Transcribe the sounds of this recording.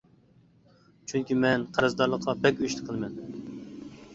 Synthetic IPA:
t͡ʃʰyŋkʲimɛnqʰɑɾɨzd̪ɑɾlˠəqʰːɑbɛkʲyʃt̪ɪ̥qʰəlˠmɛn

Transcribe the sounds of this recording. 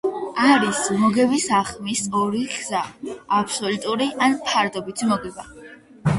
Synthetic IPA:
aɾismɔɡɛbisaχmisɔɾiɡz̥aːpʰsɔlut̪ʼuɾiʔanpʰaɾd̪ɔbit̪ʰimɔɡɛba

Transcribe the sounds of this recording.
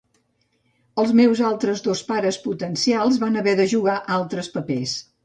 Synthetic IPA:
əlˠzmewzalˠt̪ɾəzdospaɾəsput̪ənsialˠzβanəβɛðəʒuɣaʔalˠt̪ɾəspəpes

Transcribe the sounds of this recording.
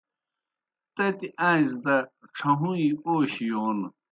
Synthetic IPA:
t̪ɐt̪iʔãːzd̪ɐʈ͡ʂʰɐɦũioːɕijoːn

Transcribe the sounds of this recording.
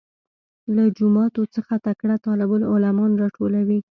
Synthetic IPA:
lad͡ʒʊmɑt̪ot͡səxat̪akɽat̪ɑlɪbəlʊlamɑnɾɑʈʰolawi

